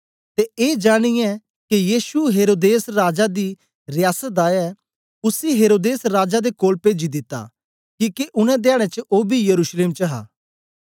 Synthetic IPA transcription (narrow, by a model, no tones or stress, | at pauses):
t̪eeːd͡ʒaːɽ̃ijɛ̃ | kijiːsuɦeːɾoːd̪eːsɾaːd͡ʒad̪i | ɾjaːsət̪̚d̪aːɛ | ʊsiɦeːɾoːd̪eːsɾaːd͡ʒad̪ekoːlpeːd͡ʒid̪ɪt̪ːa̰ | kiːkeʔʊnɛ̃d̪aːɽ̃ɛ̃t͡ʃəʔoːbʱijɐɾuːsleːmt͡ʃɐɦa̰ː